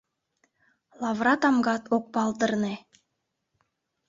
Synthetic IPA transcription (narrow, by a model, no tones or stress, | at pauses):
lˠɑvrɑt̪ɑmɡɑt̪ok̚pɑlˠd̪ɤ̆rne